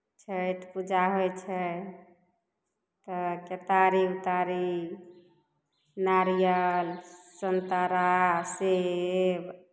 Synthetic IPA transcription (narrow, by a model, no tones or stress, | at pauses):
t͡ʃʰəjt̪pud͡ʒʱaɦojt͡ʃʰɛ | t̪ɔket̪aɾiut̪aɾi | naɾijəlsənt̪aɾaseb